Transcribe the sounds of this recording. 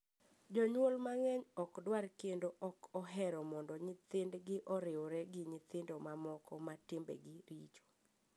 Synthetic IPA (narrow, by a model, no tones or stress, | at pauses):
d͡ʒɔɲwolmaŋɛɲɔkdwarkendoʔɔkɔɦɛɾɔmɔndɔɲɪt̪ɪndɡɪʔɔɾɪoɾɛɡɪɲɪt̪ɪndomamɔkɔmatɪmbɛ̰ɡɪɾit͡ʃo̥